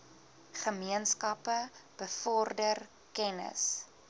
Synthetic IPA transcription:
χəmiənskɐpəb̥əfɔrdər | kɛnə̰s

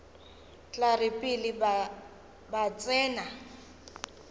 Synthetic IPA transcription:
t͡ɬʼarɪpʼili | bat͡sʼɛːna

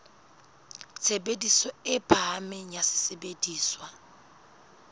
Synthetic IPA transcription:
t͡sʰebedisɔɪpʰamɪɲasɪ̥sebediːswa

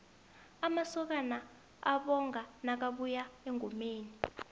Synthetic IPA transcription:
amasɔk̬ana | a̰ɓɔŋʱanak̬aɓujaeŋʱumeːni

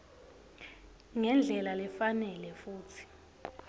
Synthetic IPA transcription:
ŋɛnd͡ɮʱɛlalɛfanɛlɛfuːtʰi̥

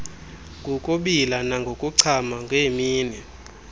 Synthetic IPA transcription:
ŋkʼukʼuɓilanaŋɡʱokʼuǀʰamaŋɡʱemiːnɛ

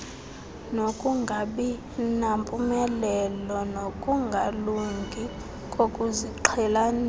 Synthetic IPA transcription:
nokʼuŋɡʱaɓi | nampʼumɛlɛlɔnokʼuŋɡʱaluŋɡʱi | kʼokʼuziǃʰɛlan

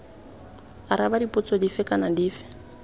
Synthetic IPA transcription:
aɾabadipʼʊt͡sʼɔdifɛkʼanadiːfɛ̥

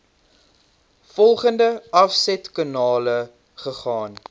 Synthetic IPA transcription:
fɔlˠχəndəɐfsɛtkɑnɑːlə | χəχɑːn

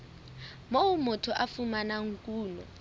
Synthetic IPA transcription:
mowumɔtʰɔʔafumanaŋ̩kʼuːnɔ̰

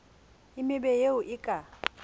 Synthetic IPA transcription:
ɪmɪbɛjeʊʔɪkʼa

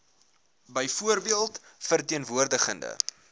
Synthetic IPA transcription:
bəjfuərbiəlˠtfərtiənvuərdəχəndə̰

